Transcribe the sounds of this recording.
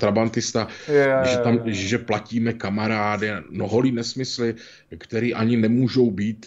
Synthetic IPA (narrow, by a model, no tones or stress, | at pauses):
t̪ɾabant̪ɪst̪aʒɛt̪amʒɛplaciːmɛkamaɾaːdɪnoɦoliːnɛsmɪslɪ | kt̪ɛɾiːʔaɲɪnɛmuːʒo̞wbiːt̪